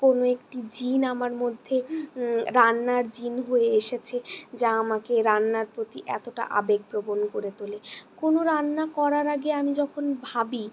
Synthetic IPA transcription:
konoekʈid͡ʑinamaɾmod̪ʱːe | ɾanːaɾd͡ʑinɦoeeʃet͡ɕʰed͡ʑaamakeɾanːaɾpɾot̪iʔɛ̰t̪oʈa̰ʔa̰beɡ̚pɾobonkoɾet̪olekonoɾanːakɔɾaɾaɡeamid͡ʑɔkʰonbʱabi

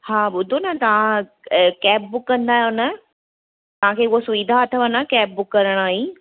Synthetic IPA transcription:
haːɓʊd̪ʱonɐt̪ɐʋã | kɛːp̚bʊkːɐ̃nd̪aːɦjnə | t̪ɐʋ̤ãkʰeːʊɦosʊʋid̪ʱaːt̪ʰəʋɐnakɛːp̚bʊkːɐɾəɽ̃aːɦe

